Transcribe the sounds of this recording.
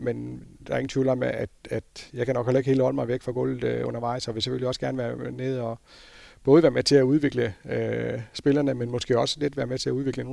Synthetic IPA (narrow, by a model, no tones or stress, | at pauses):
mend̥ɑ̈ɐe̝ŋn̩t͡sʰʋḭːlæmeʔæd̥æd̥jɑ̈ɪkʰænɒ̽ɡ̥helɐeɡ̥he̝ːləhɒ̽l̰əmɑ̈ɪʋeɡ̥fʁɑ̈ɡ̥ɔ̽ːlð̩ˠɔ̽n̰ɐʋɑ̈ɪ̰sɒ̽ʋe̝se̥føliɒ̽sɡ̥æɐnəʋæːɐneð̞ˠɒ̽b̥ɔːðˠʋæːɐmet͡sʰe̝æuðˠʋe̝ɡ̥ləøsb̥e̝lɐnəmenmɒ̽sɡ̥e̝ːɒ̽sə̥led̥ʋæːɐmet͡sʰe̝æuðˠe̝ɡ̥ləno̝